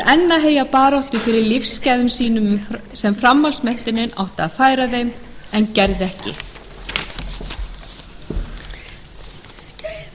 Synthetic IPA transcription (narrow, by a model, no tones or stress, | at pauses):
ʔɛnːaɦeːjapaːɾɔwht̪ʏfɪɾɪɾlɪfscajðʏmsiːnʏmsɛmfɾamːalsmɛn̥t̪ɪnːɪnʔa̰wht̪aːðfaːjɾaðejmɛncɛɾðɛhcɪ̰